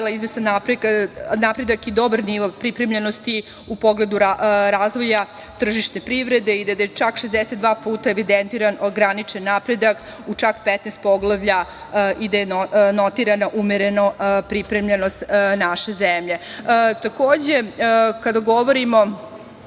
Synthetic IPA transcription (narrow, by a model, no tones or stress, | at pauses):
lˠaizʋesanːapɾeknapɾe̞d̪akid̪o̞baɾniʋopɾipɾemʎenost̪i | upo̞ɡle̞d̪uɾaɾaːzʋo̞ja | t̪r̩ʒiʃt̪nepɾiʋɾed̪e̞id̪ad̪ajet͡ʃakʃezd̪eset̪d̪ʋaːpuːt̪aeʋid̪ent̪iɾanoɡɾanit͡ʂenːapɾe̞d̪ak | ut͡ʂakpet̪neːst̪̚poɡlˠaʋʎa | ʔid̪ajenot̪iɾanaʔumeɾenopɾipɾemʎenost̪naʃe̞zemʎe̞t̪akoːd͡ʑe̞kad̪aɡoʋoɾimo̞